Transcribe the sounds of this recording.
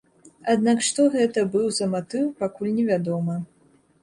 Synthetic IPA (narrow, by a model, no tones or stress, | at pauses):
ad̪nakʂt̪ɔɣɛt̪ɐbɨwzɐmat̪ɨwpakulʲnʲɛvʲad̪ɔmɐ